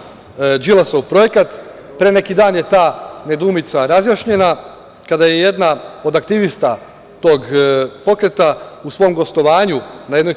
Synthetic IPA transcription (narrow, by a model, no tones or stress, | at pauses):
d͡ʒilˠasowpɾo̞je̞kat̪ | pɾe̞ne̞kid̪aːnje̞t̪aːne̞d̪uːmit̪saɾazjaːʃɲe̞na | kad̪ajeje̞d̪nao̞d̪akt̪iʋist̪a | t̪o̞ːɡpo̞kɾe̞t̪ausʋo̞ːmɡo̞st̪o̞ʋaːɲunaje̞d̪noj